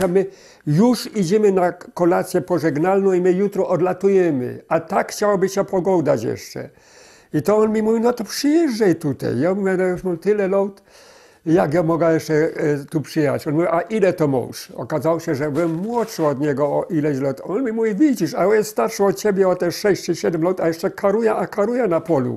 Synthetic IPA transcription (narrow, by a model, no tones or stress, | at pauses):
amɘ | juʂid͡ʑɛmɘnakɔlat̪sʲjɛpɔʐɛɡnalnɔ̃w̃imɘjut̪ɾɔʔɔd̪lat̪ujɛmɪ̰at̪akxt͡ɕawabɘɕɛpɔɡɔwd̪at͡ɕjɛ̰ʂt͡ʂɛ̰ | it̪ɔɔnmʲimuvʲinɔt̪ɔpʂɨjɛʐːɛjt̪ut̪a̰jamuvʲjɛnɔjuʂmɔlt̪ɪlɛlɔwt̪ | jaɡjɔmɔɡajɛʂt͡ʂɛt̪upʂɨjɛɦa̰t͡ɕɔnmuvʲiʔaʔilɛt̪ɔmɔ̰wʂɔ̰kazawɔɕɛʐɛvɛmwɔt͡ʂɨɔd̪ɲɛɡɔɔʔilɛɕlɔt̪ɔnmʲimuvʲivʲid͡ʑiʂaɔnjɛst̪st̪aɾʂɔɔt͡ɕɛbʲjɛɔt̪ɛʂɛɕt͡ɕɨɕɛd̪ɛmlɔwt̪ajɛʂt͡ʂɛkʰaɾujɛʔakaɾujɛnapɔlṵ